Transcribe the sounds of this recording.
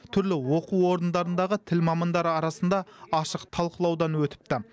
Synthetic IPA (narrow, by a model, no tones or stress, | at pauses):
t̪ʰʏɾlɪwo̞quwo̞ɾənd̪ɑɾənd̪ɑʁət̪ʰɪlmɑmɑnd̪ɑɾəɑɾɑsənd̪ɑɑʃəqt̪ʰɑlˠqəlˠɑwd̪ɑnwɵt̪ɪ̥p̚t̪ɪ